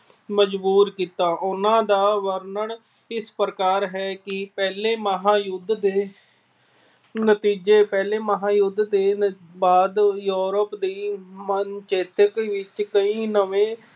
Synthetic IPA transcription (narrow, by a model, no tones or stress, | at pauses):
məd͡ʒbuːɾkiːt̪aːʔʊnãːd̪aːʋəɾnəɳ | ɪspɾəkaːɾɦɛːkɪpɛːleːməɦãːjʊd̪d̪eː | nət̪iːd͡ʒeːpɛːleːməɦãːjʊd̪d̪eː | baːd̪juːɾəpd̪iːmənt͡ʃeːt̪əkʋɪt͡ʃkəĩːnəʋẽː